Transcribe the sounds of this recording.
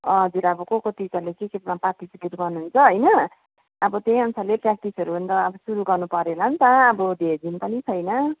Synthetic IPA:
ʌɦʌd͡zuɾʌbʌkokot̪it͡salekekemapakt̪isɡiɾɡʌrnuɦunt͡sʰʌɦʌjnʌː | bʌt̪ẽʌnsʰaleprak̚ʈisʌɾubʱʌnd̪ʌːbʌsuɾuɡʌrnupʌɾelʌnt̪aːbʌd̪ʱerd͡zʱinpʌnit͡sʰʌjnʌ

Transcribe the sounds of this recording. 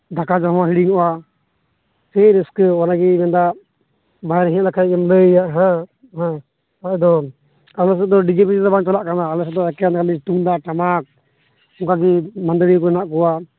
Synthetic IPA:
d̪akad͡ʒɔɦɔwaɦiɽiŋɔʔa | sɛɾɛskɛɔnaɡimɛnd̪a | baɛɾɦiɛ̃lakʰaɛmləjaʔɦã | ɦã | aɛd̪ɔ | alɔs̬ɛd̪ɔɖid͡ʒipid̪ɔbaŋt͡ʃalaʔkanaːlɔsɛd̪ɔɛkɛankaliʈuŋd̪aʈamak̚ | ɔŋkaɡimand̪əɾikɔɛnaʔkɔwa

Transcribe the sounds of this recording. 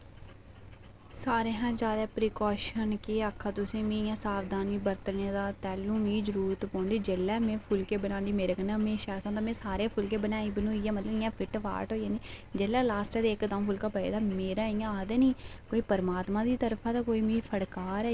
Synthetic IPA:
saːɾeːɦãːd͡ʒjaːd̪ɛːpɾiːkɔːʃənkeːakʰːaːt̪ʊsĩːmĩːjãːsaːʋd̪aːniːbəɾt̪neːd̪aːt̪ɛːlũːmĩːd͡ʒəɾuːɾət̪pɔ̃ːnd̪iːd͡ʒeːlːɛːmẽːpʰʊlkeːbənaːnd̪iːmeːɾəkənãːmẽːʃaːsãːt̪aːmẽːsaːɾeːpʰʊlk̬eːbənaːiːbənũːiːɛːmət̪ləɪjãːpʰɪʈʋa̰ːɾʈɦoːijãːniːd͡ʒeːlɛːlaːsʈɛːd̪eːkd̪ãːpʰʊlkaːpəḛːd̪aːmeːɾãːɪjãːaːd̪eːniːkoːiːpəɾmaːt̪mãːd̪iːt̪əɾpʰãːt̪aːkoːiːmĩːpʰəɽkaːɾɛː

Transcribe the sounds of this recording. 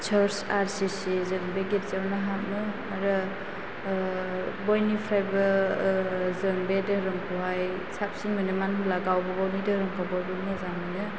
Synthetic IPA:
t͡ʃʰaɾsaɾsisizɯŋbeɡet̚zawnaɦap̚nɯ | aɾɯ | bojnipʰɾajbɐ | zɯŋbedɯɾɯŋkʰuɦaj | sap̚siŋmɯnɯmanlaɡawbɐbawnidɯhɾɯŋkʰababɯnɯzamɯnɯ

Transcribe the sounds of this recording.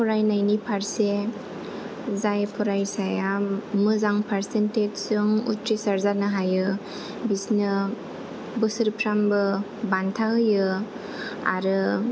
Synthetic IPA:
pʰɔɾajnajnipʰaɾse | zajpʰɔɾajsajamɯzaŋpʰaɾsented͡ʒsɯŋṵtɾisaɾzanɯɦajɯ | bisnɯ | bɯsɯɾpʰɾambɯ | bantʰaɦɯjɯ | a̰ɾɯ

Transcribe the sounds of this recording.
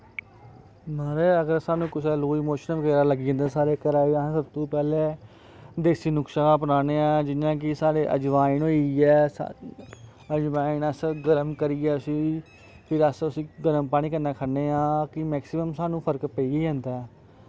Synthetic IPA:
maːɾeːəɡəɾsaːnũːkʊsʰɛːloːimoːʃnʋəɡeːɾaːləɡiːə̃nd̪ɛ̃ːsaːɾeːkəɾãːsəbt̪ũːpɛːleː | d̪eːsiːnʊkʃaãːpənaːneːãːd͡ʒɪnjãːk̬ɪsaːɽeːʔə̰d͡ʒʋaːinoːiɛːs | əd͡ʒʋaːinəsɡəɾəmkəɾiːɛːʊsĩː | pʰɪɾəsʊsĩːɡəɾəmpaːɽ̃ĩːkənnãːkʰəneːãːkɪmɛːksɪməmsaːnũːpʰəɾkpəiːɡeːãːnd̪ɛː

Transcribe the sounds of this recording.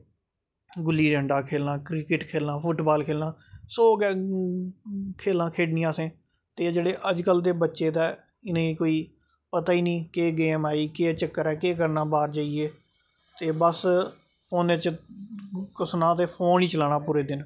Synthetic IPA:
ɡʊlːiːɖəɳɖaːkʰeːlnãːkɾɪkɪʈkʰeːlnaːpʰʊʈbaːlkʰeːlnãːsoːɡɛː | kʰeːlãːkʰeːɖnĩːaːsẽː | t̪eːd͡ʒeːɽeːʔəd͡ʒkəld̪eːbətːʃeːd̪ɛː | ɪnẽːikoːiː | pət̪aːiːnĩːkeːɡeːmaːiːkeːt͡ʃəkːəɾɛːkeːk̬əɾnaːbaːɾd͡ʒaːieː | t̪eːbəs | oːnet͡ʃ | kəsnãːt̪eːpʰoːniːt͡ʃəlaːñaːpuːɾeːd̪ɪn

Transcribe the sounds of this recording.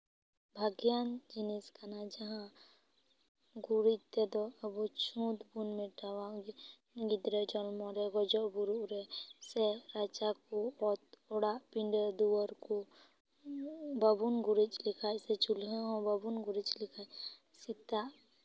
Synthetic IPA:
bʱaɡjand͡ʒiniskanad͡ʒɐɦã | ɡuɾit̪ed̪ɔɐbut͡ʃʰũːt̪bunmẽʈaʋa | ɡid̪ɾed͡ʒɔlmɔɾeɡɔd͡ʒɔbuɾɾeseɾaːt͡ʃakoɔt̪ɔɽapĩɳɖed̪uwəɾko | babunɡuɾit͡ʃlɪkʰajset͡ʃulɦeɦɔ̃babunɡuɾit͡ʃlɪkʰa | sit̪a

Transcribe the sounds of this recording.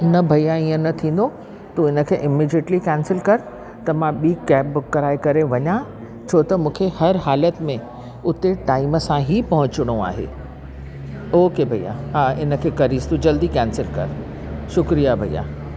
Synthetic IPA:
nɐbʱɐijaĩːə̃nɐt̪ʰĩːn̆d̪o | t̪ũɪnə̆kʰeːʔɪmiːd͡ʑeʈlikɛ̃ːnsɪlkɐɾ | t̪ɐmãɓiːkɛːpbʊkːɐɾaːikɐɾeʋɐɲã | t͡ɕʰoːt̪ɐmũːkʰehɐɾɦaːlət̪mẽ | ʊt̪eʈaːiməsãɦipɐɦʊ̃t͡ɕɪɽ̃oa̰ːɦḛː | oːkebʱɐija̰ɦaːɪnə̆kʰeːkɐɾist̪ũd͡ʑɐld̪ikɛ̃ːnsɪlkɐ̰ɾ | ʃʊkɾijabʱɐḭja̰ː

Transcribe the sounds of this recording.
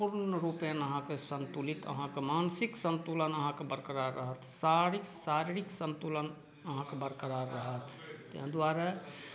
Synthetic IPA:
puɾnɾupjənəɦãkesənt̪ulit̪ə̰ɦãkemansiksənt̪ulənəɦãkebəɾkəɾaɾəɦət̪ʰsaɾiksaɾiɾiksənt̪ulən | əɦãkebəɾkəɾaɾːəɦət̪ʰ | t̪ːḛɦd̪waɾa

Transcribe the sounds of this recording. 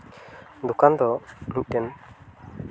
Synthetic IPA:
d̪ukand̪ɔmĩɲ̚kɛn

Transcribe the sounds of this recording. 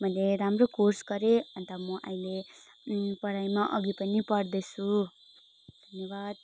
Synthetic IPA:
mʌleɾamrokorsɡʌɾeʌnt̪ʌmʌʔajle | pʌɽajmaʔʌɡipʌnipʌɽd̪ʌjt͡sʰu | d̪ʱʌnjʌbad̪̚

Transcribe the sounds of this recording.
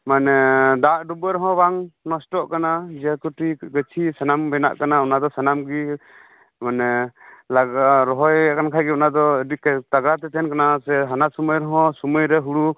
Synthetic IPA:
manɛdaʔɖubəɾɔɦɔ̃baŋnɔsʈɔʔkanad͡ʒakuʈiɡət͡ʃʰisɛnambɛna̰ʔkanaɔnad̪ɔsanamɡi | manɛlaɡaɾɔɦɔjakankʰajɡɛɔnad̪ɔdikt̪aɡɾat̪ɛt̪ʰɛnkanasɛɦanasɔməjɾɔɦɔ̃sɔməjɾɛɦuɽu

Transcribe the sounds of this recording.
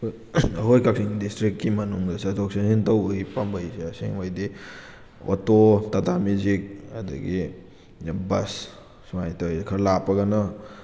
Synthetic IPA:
ɐɦojkʰak̚siŋdistɾikːimɐnuŋdɐsɐdok̚sensintɐwbɐɡipɐmbɐjseɐseŋojdi | o̰totɐtamizik̚ɐ̰dɐ̰ɡi | bɐ̰s | suŋajtjkʰɐɾlapːɐɡɐnɐ

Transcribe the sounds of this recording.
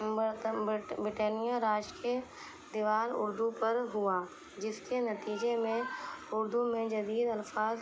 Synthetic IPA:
bɾɪʈeːnijaɾaːʃkiə | d̪ɪʋaːɾʊ̰ɾd̪upɐɾɦʊaː | d͡ʒɪskenɐt̪iːd͡ʒemẽʊɾd̪umẽd͡ʒɐd̪iːd̪ɐlfaːz

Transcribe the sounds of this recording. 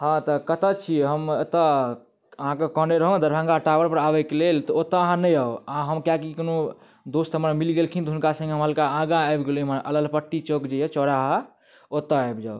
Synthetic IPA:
hãt̪ɔkət̪ət͡ʃʰiɦəmet̪ə | əɦãkekɔneɾəɦõd̪əɾbʱãŋɡaʈabəɾpəɾabɛkelelt̪ɔot̪əəɦãnəjaoaɦəmkjakikono | d̪ost̪ɦəmɾamilɡelkʰint̪ɦunkasə̃ŋɡeɦəmɦəlkaãɡaɛjbɡeliɦəməɾʔələlpəʈːit͡ʃokd͡ʒejɛt͡ʃɔɽaɦə | ot̪əajbd͡ʒaw

